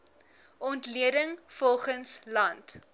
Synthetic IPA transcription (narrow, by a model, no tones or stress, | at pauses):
ɔntliədəŋfɔlˠχənslɐnt